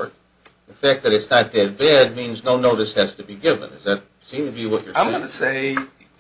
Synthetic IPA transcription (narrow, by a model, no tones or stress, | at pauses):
ðɨfæk̚ðɨɾɨtsnət̪̚dɨt̚b̥ɛd̚mĩnznoʊnoʊɾɨshæz̥tɨbiɡɪvə̰̃nɨ̰zðɨt̚ | sĩmtʰɨbiwʌt͡ʃə˞ãɪ̃mɡʌnɨseɪ